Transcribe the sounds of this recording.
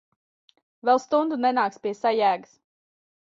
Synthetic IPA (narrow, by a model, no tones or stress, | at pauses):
vɛlˠst̪und̪unɛnaːkspʲiɛsajæːɡɨs